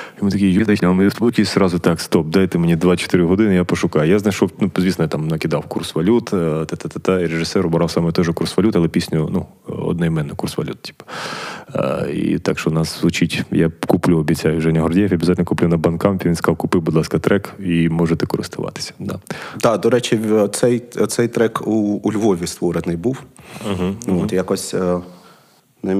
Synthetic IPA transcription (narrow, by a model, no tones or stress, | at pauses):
jɔmʊt̪ɐkʲijjuznɐʃʲnʲmˠmnʲikʲisɾɑzʊt̪ɑkst̪ɔp̚d̪ajet̪ɛmenʲid̪ʋat͡ʃɔ̥t̪ɪɾɪɦɔd̪ɪnɪjapɔʃʊkɑjʊjaznɐjʃɔwnuzʲʋʲisnɔjat̪ɑmnɐkʲɪd̪ɑwkursʋɐlʲut̪t̪ɛt̪ɛt̪ɛt̪ɑiɾeʐɪsɛɾɔbɾɑwsɑmɛt̪ɔʒɛkursʋɐlʲut̪ɐlˠɛpʲisʲnʲʊnu | ɔ̰d̪nɔjmɛnːʊkursʋɐ̰lʲut̪̚tʲi̥pɐ | ḭt̪ɑkʃt͡ʃɔnɑszʋʊt͡ʃitʲjakʊplʲuɔbʲit͡sʲajʊʒɛnʲɐɦɔrdʲijfʲɐbʲizatʲlʲnɔkʊplʲunɐbɐnkɑmfʲiʋʲinsk̪ɑwkʊpɪwbʊd̪lˠɑskɐt̪ɾɛkimɔʐet̪ɛkɔɾɪ̰st̪ʊʋɑ̰t̪ɪ̥sʲɐ̥d̪ɑd̪ɑd̪ɔɾɛt͡ʃɪsɛjt̪sɛjt̪ɾɛkuːlʲʋɔʋʲist̪ʋɔɾenɪjbuw̩ɦ̩ot̪jakɔsʲ | nɛ